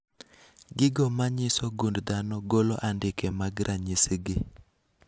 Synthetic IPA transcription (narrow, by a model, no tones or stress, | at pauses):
ɡɪɡɔmaɲɪsɔɡundd̪anɔɡoloʔandɪkemaɡɾʔaɲisɡɪ